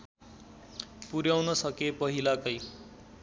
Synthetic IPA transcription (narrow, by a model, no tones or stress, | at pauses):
puɾjawnʌsʌkepʌɦilakʌj